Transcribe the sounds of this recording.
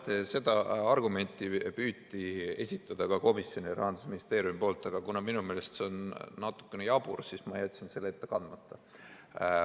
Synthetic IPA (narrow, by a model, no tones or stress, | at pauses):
t̪ese̞d̪ɑɑrɡume̞nʲt̪ːˑipyːt̪ːˑie̞̰sʲit̪ːˑɑd̪̥ɑkɑko̞misjo̞nʲijɑɾɑ̰ɦɑnd̪̥usminist̪e̞ːɾjumipo̞ːlt̪ːˑɑɡ̥ɑkunɑminume̞ːle̞st̪se̞onːɑt̪ːˑu̥kːenejɑbṵrsismɑjæt̪ʲːsinse̞lːeet̪ːekɑnd̪mɑt̪ːˑɑ